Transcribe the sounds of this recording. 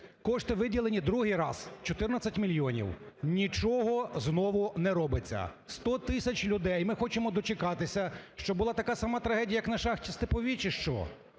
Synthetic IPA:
kɔʃt̪ɪʋɪdʲilˠenʲid̪ɾuɦɪjɾɑ̰zt͡ʃɔt̪ɪrnɐt͡sʲːɐtʲmʲilʲjɔnʲḭwnʲit͡ʃɔɦɔznɔʋʊnɛɾɔbɪt͡sʲːɐ̰ | st̪ɔt̪ɪsʲɐt͡ʃʲlʲʊd̪ɛjmɪxɔt͡ʃɪmɔd̪ɔt͡ʃɪkɑt̪ɪsʲɐʃt͡ʃɔbʊlˠɑt̪ɐkasɐmɑt̪ɾɐɦɛijɐjɐknɐʃɑxtʲist̪ɪpɔʋʲit͡ʃɪʃt͡ʃɔ̰

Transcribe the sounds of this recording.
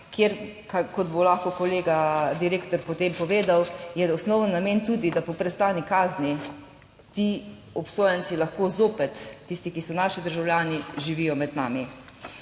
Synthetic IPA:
kʰjeɾkakɔd̪bolaxkokɔleːɡad̪iɾeːkt̪ɔɾpɔt̪eːmpɔʋeːd̪awjɛɔsnɔwənːameːnt̪uːd̪id̪apɔpɾɛst̪aːnikaːzni | t̪iː | ɔpsoːjant͡s̪ilaxkoːzoːpɛt̪ːist̪ikisɔnaʃid̪əɾʒawljaːniʒiʋiːjɔmɛd̪na̰ːmi

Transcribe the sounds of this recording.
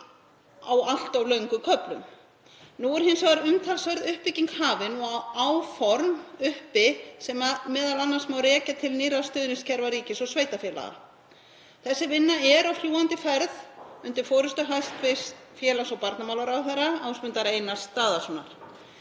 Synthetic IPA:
a̰wal̥t̪awlœɥŋkʏkʰœplʏm | nuɛɾ̥hɪnsaɣaɾʏmt̪ʰalsvœɾðʏhpːɪciŋkhaːvɪnuawfɔɾmʏhpɪsɛmamɛːðalanːasmawɾɛːcat̪ʰɪlniːɾast̪ʏːðnɪscʰɛɾvaɾiːcɪsɔɣsveːjt̪afjɛːla̰ɣa̰ | θɛsːɪvɪnːaɛɾawfljuːant̪ɪfɛɾðʏnt̪ɪɾ̥fɔːɾʏst̪ʏɦajst̪fɪst̪fjɛːlasɔwpaɾt̪namawlaɾawθɛɾaawspʏnt̪aɾeːjnast̪ːaːðasɔnːa̰ɾ̥

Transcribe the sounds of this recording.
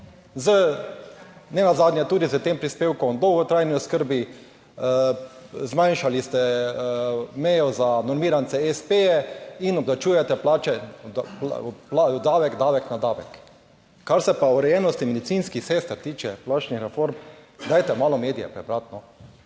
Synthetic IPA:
zə | nɛnazad̪njɛt̪uːd̪izət̪eːmpɾispeːwkɔmd̪ɔwɡɔt̪ɾajniɔskəɾbi | zmãjnʃalist̪ɛ | mɛjɔzanɔɾmiːɾant̪sɛɛspejɛinɔbd̪at͡ʃuːjɛt̪ɛplaːt͡ʃɛpplad̪aːʋɛkd̪aːʋɛknad̪aːʋɛk | kaɾsɛpauɾɛjɛːnɔst̪imɛd̪it̪siːnskixsest̪ɾt̪iːt͡ʃɛplaːt͡ʃnixɾɛfoɾmd̪ajt̪ɛmaːlɔmeːd̪ijɛ̰pɾɛbɾat̪nɔ

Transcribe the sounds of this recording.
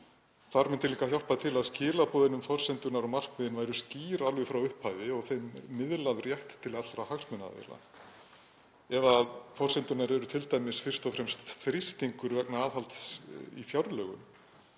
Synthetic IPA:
θaɾmɛnt̪ɪliŋkaçjar̥pat̪ʰɪlaðscɪːlapɔːðɪnʏmfɔr̥sɛnt̪ʏnaɾɔwmar̥kmɪðɪnvajɾʏsciːɾalvʏfɾawʏhpʰajvɪɔɣθejmːɪðlaðrjɛht̪ʰːɪlat̪ɾahaxsmʏna̰ḛla̰ | ɛvaðfɔr̥sɛnt̪ʏnaɾɛɾʏt̪ʰɪlt̪ajmɪsfɪr̥st̪ɔfɾɛmst̪θɾɪst̪iŋkʏɾvɛknaaːðɦalt̪sḭfjawɾlœːɣʏ̰m

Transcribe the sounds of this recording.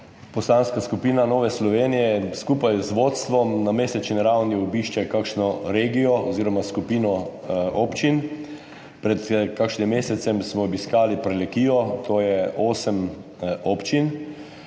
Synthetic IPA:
pɔsanskaskupiːnanɔːʋɛslɔʋeːnijɛskuːpajzʋoːt̪st̪ʋɔmnameːsɛt͡ʃniɾawniɔbiːʃt͡ʃɛkakʃnɔɾeːɡijɔɔziːɾɔmaskupiːnɔoːpt͡ʃin | pɾɛt̪kakʃnimːeːsɛt̪sɛmsmɔːbiskaːlipɾɛlɛkiːjɔt̪ʰoːjɛʔoːsəm | opt͡ʃin

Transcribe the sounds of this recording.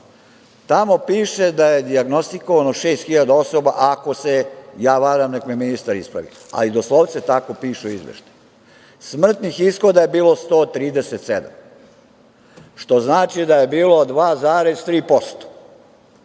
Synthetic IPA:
t̪amo̞piːʃe̞d̪ajed̪iaɡno̞st̪iko̞ʋanoʃeːst̪xiʎad̪ao̞so̞baʔako̞sejaːʋaɾamnekmeminist̪aɾispɾa̰ʋḭa̰lid̪oslˠoʋt̪set̪akopiːʃeizʋḛʃt̪aju | smr̩t̪nixisxo̞d̪aje̞biːlo̞st̪oːt̪ɾiːd̪eset̪sed̪a̰m | ʃt̪o̞znaːt͡ʃid̪aje̞biːlod̪ʋaːzaːɾe̞zt̪ɾiːpo̞st̪o̥

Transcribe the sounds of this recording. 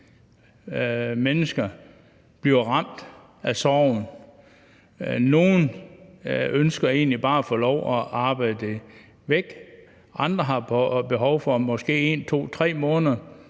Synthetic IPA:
menəsɡ̥ɐ | b̥liɐʁɑ̈m̰d̥ | æsɒʊn | no̝ːn | ønsɡ̥ɐe̝̰ːnlib̥ɑ̈ːæfɔːlɒʊʔæʔɑ̈ːb̥ɑ̈ɪ̰d̥e | ʋeɡ̥ | ʔɑ̈nd̥ʁɐɦɑ̈pb̥e̝ɦɒʊfɒ̽mɒ̽sɡ̥e̝̰ːe̝nt͡sʰo̝̰ːt͡sʰʁɛ̰ːmɔ̽ːnðˠɐ

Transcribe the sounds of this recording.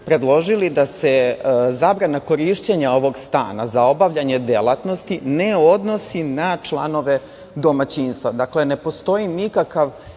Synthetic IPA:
pɾe̞d̪lˠo̞ʒilid̪asezabɾanako̞ɾiʃt͡ɕeɲao̞ʋo̞ɡst̪a̰ːna̰zao̞baʋʎaɲe̞d̪elˠat̪no̞st̪ineo̞d̪no̞sinat͡ʂlˠa̰no̞ʋe̞ | d̪o̞mat͡ɕiːnst̪ʋad̪akle̞ne̞po̞st̪o̞jinikakaʋ

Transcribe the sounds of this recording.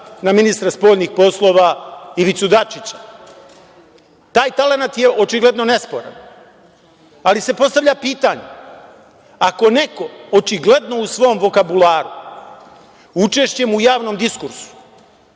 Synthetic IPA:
naminist̪ɾaspo̞ːʎʲniːxpo̞slˠo̞ːʋaiʋit̪sud̪at͡ʃit͡ɕḁ | t̪aːjt̪ale̞nat̪je̞ʔo̞t͡ʃiɡle̞d̪no̞ne̞spo̞̰ɾa̰n | alise̞po̞st̪aʋʎʲapiːt̪aɲe | ako̞ne̞ko̞ot͡ʃiɡle̞d̪no̞usʋo̞ːmʋo̞kabulaːɾu | ut͡ʃe̞ʃt͡ɕe̞mujaːʋno̞md̪iskuɾsu̥

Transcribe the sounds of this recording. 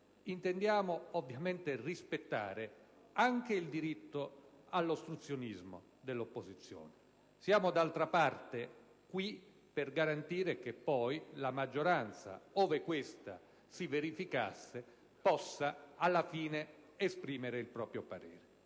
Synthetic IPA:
int̪ɛnd̪jaːmoovːjament̪erispet̪ːa̰ːɾe | aŋkeild̪iɾit̪ːʊ | alːost̪ɾut̪sːjonizmo̰ | d̪elːopːozit̪sːjo̰ːne | sjaːmʊd̪alt̪ɾapart̪e | kwi | perɡaɾant̪iːɾekepːɔjlamad͡ʒːoɾant̪sa̰oːvekwest̪a̰ | siveɾifika̰sːe | pɔsːaalːafiːneespɾiːmeɾeilpɾɔːpɾjopaɾɛ̰ːɾe

